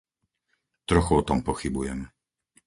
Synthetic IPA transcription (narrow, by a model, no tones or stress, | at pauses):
t̪ɾɔxuɔt̪ɔmpɔxibujɛm